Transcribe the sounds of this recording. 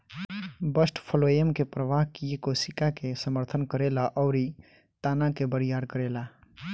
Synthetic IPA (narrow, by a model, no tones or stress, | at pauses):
bəsʈpʰəlojəmkepɾəʋaɦkijekosikakesəməɾt̪ʰənkəɾelaʔɔʊɾi | t̪aːnakebəɾijaːɾkəɾeːla